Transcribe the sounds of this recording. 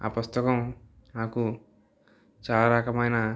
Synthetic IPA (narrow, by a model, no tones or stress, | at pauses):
a̰pust̪ɐkɐm | naːku | t͡ʃaːlaɾɐkɐmɐjnɐ